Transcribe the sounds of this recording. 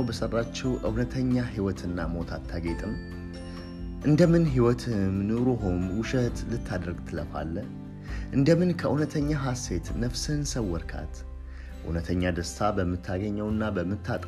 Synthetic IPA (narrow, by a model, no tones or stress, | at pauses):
wbəsərːat͡ʃːɛwʔɨwnət̪ʰəɲːaɦiwɔt̪ʰɨnːamo̞t̪ʰat̪ʰːaɡe̞t̪ʼɨm | ʔɨnd̪əmɨnɦiwɔt̪ʰɨmnɨɾoɦomwʊʃət̪lɨt̪ʰːad̪əɾɡt̪ʰɨləfa̰lːə | ʔɨnd̪əmɨnkʰəʔunət̪ʰəɲːaɦase̞t̪nəfsɨnsəwːɔɾkʰa̰t̪ | ʔṵnət̪ʰəɲːad̪əst̪ʰabəmːɨt̪ʰːaɡəɲːɛwɨnːabəmːɨt̪ʰːat̪ʼ